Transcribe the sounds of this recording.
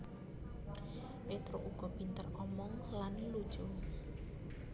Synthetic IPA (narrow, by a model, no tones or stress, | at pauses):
pet̪ɾoʔuɡ̥ɔ̤b̥i̤nt̪ərɔmɔŋlanlud̥ʒ̥u